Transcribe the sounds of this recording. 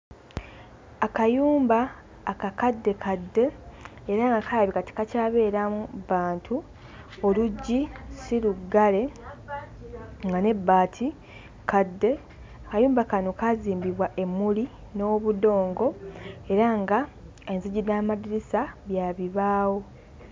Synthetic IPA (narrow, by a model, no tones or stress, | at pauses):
akajuːmbaː | kakadːe̞kʰadːe̞eɾaŋɡakajaβikati̥kacaːβe̞ːɾamuβaːntʰu | oluɟːisiluɡale̞ | ŋɡane̞bːaːtʰi | kadːe̞ | akajuːmbakanokaziːmbiβwaʔe̞mːuli | no̞ːβudo̞ːŋɡo̞e̞ɾaŋɡa | enziɟiaːmadiɾisaβjaːβiβaːwo̞